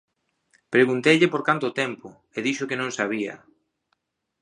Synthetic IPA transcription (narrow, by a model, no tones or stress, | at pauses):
pɾeɣunt̪ejʎɪpoɾkant̪ot̪ɛmpʊ | eðiʃʊkenõŋsaβ̞iɐ̰